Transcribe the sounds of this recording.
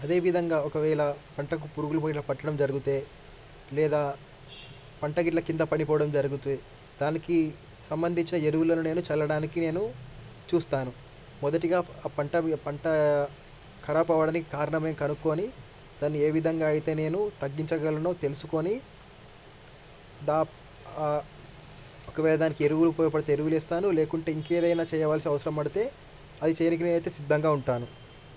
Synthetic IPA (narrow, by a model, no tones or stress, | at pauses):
ɐd̪e̞ːʋid̪ʱɐŋɡaːɔkɐʋɛːlɐpɐɳʈɐk̬upuɾuɡulɐpɐʈlɐpɐʈːɐɽɐmd͡ʒɐɾuɡut̪eː | lɛːd̪aː | pɐɳʈɐɡiʈlɐkind̪ɐpɐnipɔːɐɽɐmd͡ʒɐɾuɡut̪e | d̪̥aːniki | sɐmbɐnd̪ʱiɲt͡ʃinɐeɾuwulɐnune̞ːnut͡ʃɛlːɐɽaːnikine̞ːnu | t͡ʃuːst̪aːnu | mɔd̪ɐʈiɡaːpɐɳʈɐpɐɳʈɐ | kʰɐɾaːpɐʋɐɽaːnikikaːɾɐɳɐme̞ːmkɐnukːo̞ːni | d̪̥ɐnːieːʋid̪ʱɐŋɡaːjit̪e̞ːne̞ːnut̪ɐɡːiɲt͡ʃɐɡɐlɐnoːt̪e̞lusuko̞ːni | d̪aː | ɔkːɐʋɛːɭɐd̪aːnikieɾuwulupoːjɐp̬ɐɽit̪eeɾuwuleːst̪aːnule̞ːkuɳʈe̞iŋkeːd̪ɐjnaːt͡ʃɛːjɐʋaːlɐsiɐʋɐsɐɾɐmɐɽit̪e̞ː | ɐd̪it͡ʃɛjɐnikinenɐjt̪e̞ːsid̪ʱːɐŋɡaːuɳʈaːnu